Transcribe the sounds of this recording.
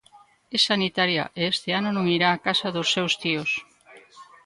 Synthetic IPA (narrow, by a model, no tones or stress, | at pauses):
ɛsanit̪aɾja̰ʔeest̪ɪanonõŋiɾaːkasaðosːewst̪ios